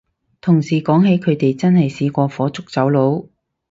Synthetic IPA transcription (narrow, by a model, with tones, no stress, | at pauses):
t̪ʰʊ˨˩ŋsiː˨kɔː˨˥ŋɦe˨˥jkʰɵ˨˧ɥt̪e˨jt͡sɐ˥nhɐ˨jsiː˧kʷɔː˧fɔː˨˥t͡sʊ˥k̚t͡sɐ˨˥wlo˨˥w